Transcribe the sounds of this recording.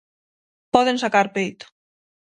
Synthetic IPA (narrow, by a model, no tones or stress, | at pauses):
pɔðensakaɾpejt̪